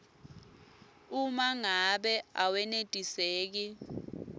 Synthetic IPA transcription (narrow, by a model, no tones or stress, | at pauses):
umaŋaɓɛawɛnetʼiseːk̬i